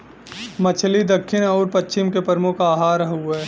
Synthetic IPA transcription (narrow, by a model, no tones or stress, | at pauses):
mət͡ʃʰlid̪ɐkʰːɪnɔːɾpɐt͡ʃɪmkepəɾmʊkʰaːɦaːɾəɦuɛː